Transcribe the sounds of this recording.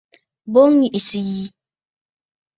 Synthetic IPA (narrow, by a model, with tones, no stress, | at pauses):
bo˦ŋːi˨ʔi˨si˨ji˦